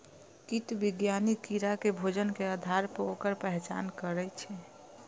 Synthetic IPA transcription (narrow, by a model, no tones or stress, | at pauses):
kit̪biɡjanikiɾakebʱod͡ʒənkeəd̪ʱaɾpəokəɾpɛɦɛt͡ʃa̰nkəɾɛt͡ʃʰɛ